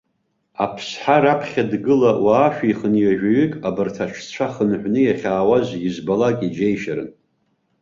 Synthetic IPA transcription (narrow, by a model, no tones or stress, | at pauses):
apʰsħaɾapʰχʲadɡɨlawaːʃᶣiχənjaʒᶣaɥykʼabɨrtʰaʈ͡ʂʷʰt͡ɕʷʰaχənħʷnɨjaχʲaːwazjizbalakʼid͡ʒejʃaɾɨ̰n